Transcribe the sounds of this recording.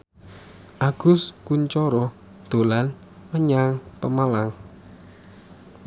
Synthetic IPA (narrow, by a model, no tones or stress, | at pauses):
ʔaɡ̥ʊ̤skuɲt͡ʃɔɾɔ | d̪̥o̤lan | məɲaŋpəmalaŋ